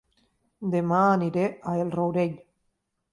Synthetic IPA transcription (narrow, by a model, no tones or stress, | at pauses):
d̪emaːniɾeaelrowɾeʎ